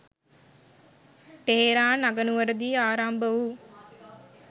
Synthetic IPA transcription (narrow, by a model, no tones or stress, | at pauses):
ʈeɦeɾaːnɐɡɐnuʋɐɾɐd̪iːaːɾaːmbɐʋu